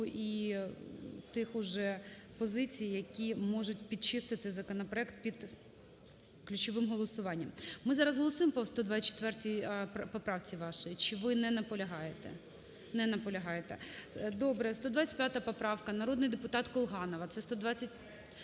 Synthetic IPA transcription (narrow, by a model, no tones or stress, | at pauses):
ʔi | t̪ɪxʊʒɛpɔzɪt͡sʲijjɐkʲimɔʒʊt̚ʲpʲid̪̚t͡ʃɪst̪ɪt̪ɪzɐkɔnɔpɾɔɛkt̪̚pʲid̪ | klʲʉt͡ʃɔʋɪmɦɔlˠɔsʊʋɑnʲːɐmmɪzɑɾɐzɦɔlˠɔsujempɔst̪ɔd̪ʋɑt͡sʲːt͡ʃe̥t̪ʋɛrtʲijpɔpɾɑwt͡sʲiʋɑʃɔjit͡ʃɪʋɪnɛnɐpɔlʲɐɦɑjet̪ɛ̰ | nɛnɐpɔlʲɐɦɑjet̪ɛ̰d̪ɔbɾɛst̪ɔd̪ʋɑt͡sʲɐ̥t̚ʲpjat̪ɐpɔpɾɑwkɐnɐɾɔd̪nɪjd̪epʊt̪ɑt̪kɔlˠɦɑnɔʋɐt̪sɛst̪ɔd̪ʋɑt͡sʲːɐt̚ʲ